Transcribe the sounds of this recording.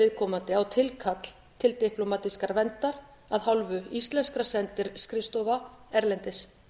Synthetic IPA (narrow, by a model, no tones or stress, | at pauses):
ɪðkʰɔːmant̪ɪawt̪ʰɪlkʰat̪l̥ | t̪ʰɪlt̪ɪhplɔmaːt̪iskaɾvɛnt̪aɾ̥ | aðhawlvʏist̪lɛnskɾasɛnt̪ɪɾskɾɪst̪ovaɛɾlɛnt̪ɪs